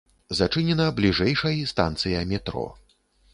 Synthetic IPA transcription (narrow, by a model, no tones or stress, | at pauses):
zat͡ʂɨnʲɛnɐblʲiʐɛjʂɐjist̪a̰nt̪sɨjɐmʲɛt̪ɾɔ̰